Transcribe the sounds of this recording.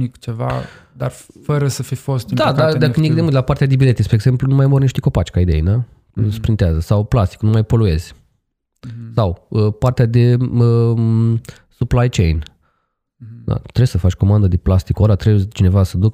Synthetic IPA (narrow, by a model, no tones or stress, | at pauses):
ikt͡ʃeva̰ | d̪arfəɾəsəfifo̞st̪ɨd̪adk̪ad̪aɨniekd̪emult̪lapart̪ead̪ebilet̪espɾeːɡze̞mplunumajmorniʃt̪eko̞pat͡ʃkaid̪e̞̰jina | su̥pɾint̪eazəsawplast̪i̥knumajpo̞lue̞z̥ʲ | sawəpart̪ead̪e̞ə | suplajt͡ʃe̞̰jn | d̪a̰t̪ɾesəfat͡ʃʲko̞mand̪əd̪e̞plast̪ikoɾat̪ɾebujet͡ʃine̞vasəd̪uk